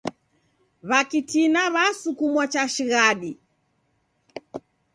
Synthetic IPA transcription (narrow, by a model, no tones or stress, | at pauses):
βakitinaβasukumwɔt͡ʃaʃiɣaɗi